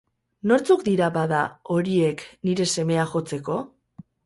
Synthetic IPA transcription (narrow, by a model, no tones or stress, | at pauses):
no̞ɾt͡sukd̪iɾaβaðao̞ɾie̞kniɾe̞se̞me̞axo̞t͡se̞ko̞